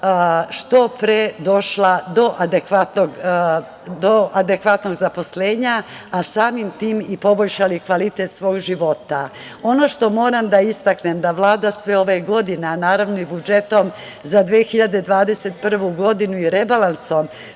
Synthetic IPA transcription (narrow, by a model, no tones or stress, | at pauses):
ʃt̪o̞pɾed̪o̞ʃlad̪o̞ʔad̪ekʋat̪noɡ | d̪oʔad̪ekʋat̪no̞ɡzapo̞sle̞ːɲa | asaːmimt̪iːmipo̞bo̞ʎʃalikʋalit̪e̞t̪sʋo̞ːɡʒiʋo̞t̪a | o̞no̞ʃt̪o̞mo̞ːɾamd̪aist̪akne̞md̪aʋlˠaːd̪asʋeo̞ʋeɡo̞d̪ineanaːɾaʋno̞ibud͡ʒe̞t̪o̞m | zad̪ʋeːxiʎad̪e̞d̪ʋaːd̪e̞se̞t̪̚pr̩ʋuɡo̞d̪inuiɾe̞balˠanso̞m